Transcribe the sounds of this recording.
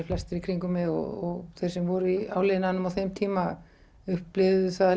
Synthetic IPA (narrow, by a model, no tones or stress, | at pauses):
ɪflɛst̪ɪɾikʰɾiŋkʏmɪɔ̰ɔɣθejɾ̥sɛmvɔɾʏia̰ːwlejðnanʏmawθejmt̪ʰiːma | ʏhplɪvðʏθað